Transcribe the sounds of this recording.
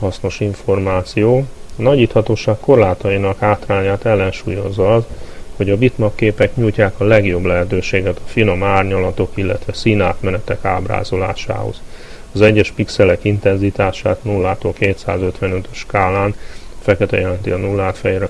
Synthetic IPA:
hɒsno̞ʃiɱfo̞rmaːt̪sijoːɒnɒɟiːt̪hɒt̪oːʃaːkkːo̞rlaːt̪ɒjinɒkhaːt̪raːɲaːt̪ɛlːɛnʃuːjo̞zːɒɒzho̞ɟɒbit̪mɒkːeːpɛkɲuːjcaːkɒlɛɡjo̞blɛɦɛt̪øːʃeːɡɛt̪ɒfino̞maːrɲɒlɒt̪o̞kilːɛ̰t̪ʋɛsinaːt̪mɛnɛt̪ɛka̰ːbra̰ːzo̞la̰ːʃa̰ːɦo̰z̥ | ɒzɛɟːɛʃpiksɛlɛkint̪ɛnzit̪aːʃa̰ːt̪nulːaːt̪olkeːt̪sa̰ːzø̞t̪ʋɛnøt̪øʃkaːlaːnfɛkɛt̪ɛjɛlɛnt̪iɒnulːaːt̪fɛjɾɛ

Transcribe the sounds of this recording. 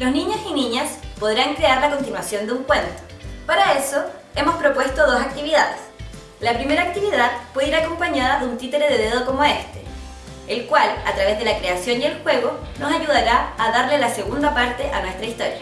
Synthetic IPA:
losniɲosiniɲaspo̞ðɾaŋkɾe̞aɾlako̞nt̪inwasjo̞nd̪euŋkwe̞nt̪o̥paɾae̞so̞ | e̞mo̞spɾo̞pwe̞st̪o̞ðo̞sak̚t̪iβiðaðes | lapɾime̞ɾaːk̚t̪iβiðaðpweðiɾako̞mpaɲaðaðunt̪it̪eɾeðeðeð̞oko̞moest̪e̞̥ | elkwalat̪ɾaβe̞zðelakɾeasjo̞njelxwe̞ɣono̞saʝuð̞aɾaːðaɾlelase̞ɣund̪apaɾt̪e̞ʔanwest̪ɾaist̪o̞ɾja

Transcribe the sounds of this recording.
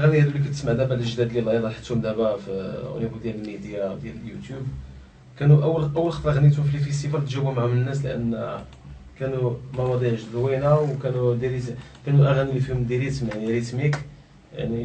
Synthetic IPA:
ʔæɣænihæd̪ulik̬æt̪ə̥smaʕd̪æbælʒd̪æd̪lilɑjɑd̪ˤɑlħə̥t̪ːʊmd̪æbæfiṵlibud̪jæləlmid̪jad̪jæləljut̪jub | kænuʔəwːəlʔəwːəlxɑt̪ˤɾˤɑɣənːit̪hʊmfilfist̪ifælt̪ʒæbumaʕʊmnənːæs̬ləʔə̰nː | kænumɑwɑd̪ˤiʕʒəd̪winæwkænud̪iɾit̪ | kænuʔæɣænilifihʊmd̪iɾit̪mjaʕniɾit̪mik | ja̰ʕni

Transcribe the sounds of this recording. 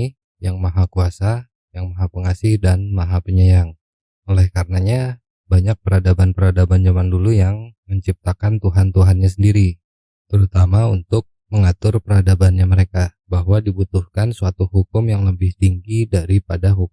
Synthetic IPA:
jaŋmaɦakuasa | jaŋmaɦapəŋasihdanmaɦapəɲəjaŋ | olɛhkarənaɲa | baɲak̚pəɾadabanpəɾadaband͡ʒamandulujaŋməɲt͡ʃip̚t̪akant̪uɦant̪uɦanɲas̬əndiɾi | t̪əɾut̪amaunt̪ʊk̚məŋat̪ʊrpəɾadabanɲaməɾeka | baɦwadibut̪ʊhkansuat̪uhukʊmjaŋləbɪht̪iŋɡidaɾipadaɦuk

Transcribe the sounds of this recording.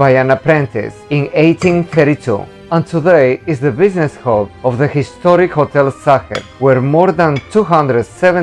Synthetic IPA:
bajãnapɾɛ̃nt̪ɪ̰sĩnejt̪ĩnθɛɾit̪ʰṵ | ə̃nt̪ʰudeɪzðəbɪznɛsholɔvðəhɪst̪ɔɾɪkhot̪ʰɛlsaxɛ̰ɾwɛɾmɔɾðãnt̪ʰuɦãnd̪ɾədsɛvɛ̃

